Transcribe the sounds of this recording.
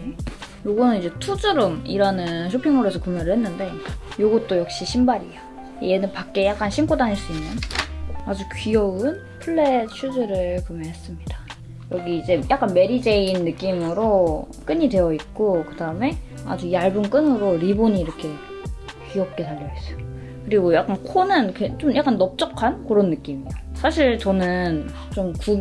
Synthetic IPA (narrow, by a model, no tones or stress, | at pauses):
joɡʌnɯnid͡ʑe̞tʰud͡ʑɯɾɯmḭɾanɯnɕʰopʰiŋoɾesʰʌkumjʌɾɯɭhenːɯnde̞joɡʌt̚t͈ojʌk̚ɕ͈iɕʰimbaɾia | jenɯnpak̚k͈e̞jak͈anɕʰink͈ʰodaɲiɭs͈uimːʌnad͡ʑukɥiʌɯn | pʰuɭːe̞ɕʰud͡ʑɯɾɯɭkumjʌnɦes͈ɯmɲid̥a | jʌɡiːd͡ʑe̞jak͈anme̞ɾid͡ʑe̞inːɯk͈imɯɾo | k͈ɯɲidwe̞jʌit̚k͈okɯdaɯme̞ | a̰d͡ʑujaɭbunk͈ɯnɯɾoɾiboɲiːɾʌkʰe̞ | kɥiʌp̚k͈e̞taʎːʌis͈ʌjo | kɯɾiɡojak͈ankʰonɯnket͡ɕ͈omjak͈anːʌp̚t͡ɕ͈ʌkʰankɯɾonːɯk͈imijosʰaɕʰiɭt͡ɕʌnɯn | t͡ɕ͈omku